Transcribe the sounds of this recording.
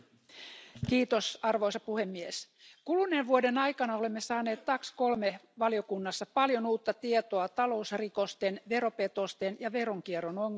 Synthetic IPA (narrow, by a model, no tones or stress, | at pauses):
kiːt̪osɑrʋo̞jsɑpuhe̞mːies | kulunenʋuode̞nɑjkɑnɑo̞le̞mːesɑːne̞ːt̪t̪ɑksko̞lmeʋɑlijo̞kunːɑsːɑpɑljo̞nuːt̪ːɑt̪iet̪oɑt̪ɑlo̞usriko̞st̪enʋe̞ɾo̞pe̞t̪o̞st̪enjɑʋe̞ɾoŋk̟ieronoŋ